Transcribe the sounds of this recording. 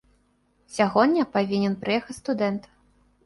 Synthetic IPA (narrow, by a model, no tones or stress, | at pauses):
sʲaɣɔd̪ʲːɐpavʲinʲɛnpɾɨjɛxɐt͡sʲst̪ud̪ɛnt̪